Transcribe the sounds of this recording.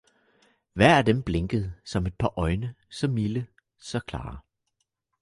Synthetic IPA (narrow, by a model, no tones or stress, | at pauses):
ʋæɐ̰æd̥emb̥leŋɡ̥əð̞̩ˠsɒ̽me̝d̥̚pʰɑ̈ʔɒ̽ɪnəsɒ̽mːilə | sɒ̽kʰlɑ̰̈ː